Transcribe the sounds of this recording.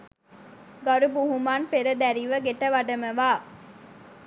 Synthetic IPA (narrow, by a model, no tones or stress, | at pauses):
ɡɐɾubuɦumaːnpeɾɐd̪æɾiʋɐɡeʈɐʋɐɖɐmɐʋaː